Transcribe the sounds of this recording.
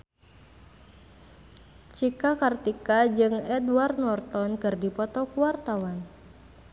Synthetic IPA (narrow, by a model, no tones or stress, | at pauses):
t͡ʃikakart̪ikad͡ʒɨŋɛdwart̪nɔrt̪ɔnkɨrdipɔt̪ɔkuwart̪awan